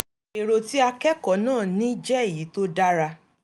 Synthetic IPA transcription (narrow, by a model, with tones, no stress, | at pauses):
e˨ɾo˨ti˦a˧kɛ˦kɔ˨˦nãː˦˨nĩː˦d͡ʒɛ˦e˨ji˨˦to˦da˦ɾa˧